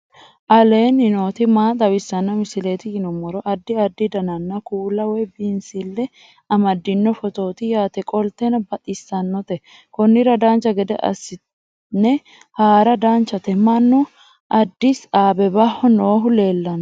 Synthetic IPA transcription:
ʔɐleːnɪno̞ːt̪ɪmaːt̪ʼɐwɪsːɐnːɔmɪsɪleːt̪ɪjɪnɔmɔɾɔʔɐd̪ːɪɐd̪ːɪd̪ɐnɐnːɐkuːlɐwɛjbinsɪlːɛ | ɐmɐd̪ːɪnːɔfɔt̪o̞ːt̪ɪjaːt̪ɛkʼɔlt̪ːɛnɐbɐt̪ʼɪsːɐnːɔt̪ɛ | kɔnːɪɾɐd̪aːnt͡ʃːɐɡɛd̪ɛ̰ʔɐ̰sɪ | nɛ | haːɾɐd̪aːnt͡ʃːɐt̪ɛmɐnːɔ | ʔɐd̪ːɪsaːbɛbɐhɔnoːɦʊle̞ːlːɐn

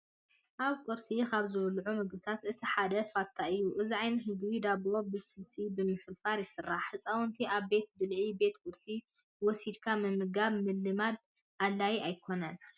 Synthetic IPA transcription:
ʔaβkʼuɾsikʰaβzɨβlʕumɨɡbɨt̪ʰat̪ɨt̪ʰiħad̪ɐfat̪ʰaɨjːuʔɨziʕajnɨɦɨɡbid̪aβlo̞bɨsɨlsibɨmɨfɨlfaɾjɪsɨrːaħːɨt͡sʼawɔnt̪ʰiʔaβbe̞t̪̚d̪ɨlʕibe̞t̪kʼuɾsi | wɔsid̪kʰamɨmɨɡaβmɨlːɨmad̪̚ | ʔalːajajkʰo̞nɐn

